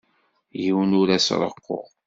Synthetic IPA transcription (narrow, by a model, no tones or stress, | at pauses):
jiwnʊɾæsɾˤə̰qːo̰ʁ